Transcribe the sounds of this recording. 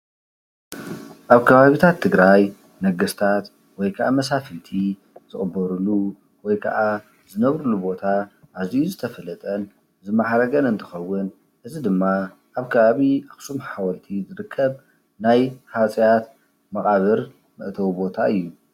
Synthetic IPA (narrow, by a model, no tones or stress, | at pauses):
ʔaβkʰɐβaβit̪ʰat̪ʰːɨɡɾaj | nɐɡɨst̪ʰat̪ | wɔjkʰɐʔamɐs̬afɨt̪ʰi | z̥ɨχʼɨbːɐɾulu | wɔjkʰɐ̰ʔa | zɨnɐβɾulubo̞t̪ʰa | ʔazijuzɨt̪ʰɐfɐlɐt̪ʼɐn | zɨmaħɾɐɡɐnɨnt̪ʰɨ̥xɐwːʊn | ʔɨzid̪ɨmːa | ʔaβkʰɐβaβiaxsumħawɐlt̪ʰizɨɾɨkʰːɐβ | najħat͡sʼijat̪ | mɐχʼaβɨɾ | mɨ̰ʔt̪ʰɐwubo̞t̪ʰaɨjːu